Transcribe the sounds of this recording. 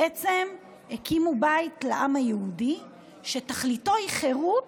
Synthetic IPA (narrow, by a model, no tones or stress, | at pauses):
ʔet͡sem | ekimubajtlaʔamhajehudi | ʃe̞taχlito̞hiχeʁu